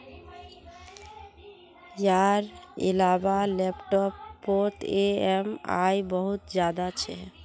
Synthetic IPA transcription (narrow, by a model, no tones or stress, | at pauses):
jaɾḭlabalepʈɔpːoɾʈeema̰jbəɦut̪d͡ʒjad̪at͡ʃʰɛ